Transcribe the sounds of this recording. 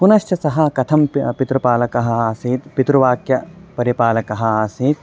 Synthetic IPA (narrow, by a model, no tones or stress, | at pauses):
punɐʃt͡ʃɐsɐɦɐkɐt̪ʰɐmppit̪ɾupaːlɐkɐɦɐ̆aːsiːd̪pit̪ɾuʋaːkjɐpɐɾipaːlɐkɐɦɐ̆aːsiːd̪̚